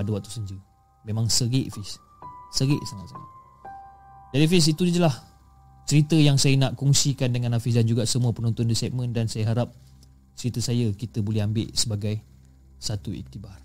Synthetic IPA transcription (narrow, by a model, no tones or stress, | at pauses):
padəwak̚t̪u̥səɲd͡ʒə | mẽmãŋsəɡɪʔfɪs | səɡɪʔsaŋat̪saŋa̰t̪̚ | d͡ʒadifis̬it̪udid͡ʒəlah | t͡ʃəɾit̪əjaŋsajənaʔkɔŋsikandəŋãnafɪs̬dand͡ʒuɡasəmuəpənɔnt̪ʊndəsɛp̚mə̃ndansajəɦaɾap̚ | t͡ʃəɾit̪əsajəkit̪əbolɛhambɪ̰ʔsəbaɡaj | sat̪uḭk̚t̪ibar